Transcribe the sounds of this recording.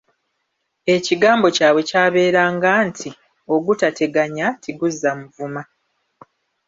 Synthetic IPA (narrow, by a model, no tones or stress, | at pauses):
e̞ciɡaːmbo̞caːβwe̞caːβe̞ːɾaːŋɡaːntʰi | o̞ɡutate̞ɡaɲatʰiɡuzːamuvuma